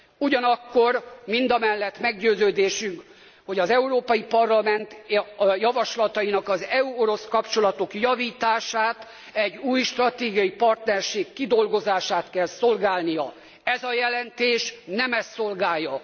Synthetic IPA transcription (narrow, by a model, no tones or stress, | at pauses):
uɟɒnɒkːo̞rmind̪ɒmɛlːɛt̪mɛɡɟøːzøːd̪eːʃyŋk | ho̞ɟɒzɛuɾoːpɒjipɒrlɒmɛnt̪jɒvɒʃlɒt̪ɒjinɒkɒzɛuo̞ɾo̞skɒpt͡ʃo̞lɒt̪o̞kjɒviːt̪aːʃaːt̪ | ɛɟːuːjʃt̪rɒt̪eːɡijɒjipɒrt̪nɛrʃeːkːid̪o̞lɡo̞zaːʃaːt̪kɛlso̞lɡaːlnijɒ | ɛzɒjɛlɛnt̪eːʃnɛmɛsːo̞lɡaːjːɒ